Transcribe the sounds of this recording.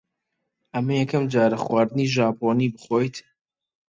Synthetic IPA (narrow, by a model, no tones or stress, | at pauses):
ʔɐmɐjɛkɐmd͡ʒaːɾɐχwaːɾd̪ɨniːʒaːpʰoːniːbɨχojt̪